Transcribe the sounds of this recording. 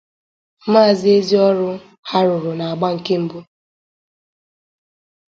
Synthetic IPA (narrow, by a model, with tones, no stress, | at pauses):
m˦aː˦˨zɪ˨˦e˦zi˦ɔ˦ɾʊ˦ | ha˦ɾʊ˨ɾʊ˨na˨a˨ɡ͡ba˦ŋ̩˨ke˦m̩˦bu˦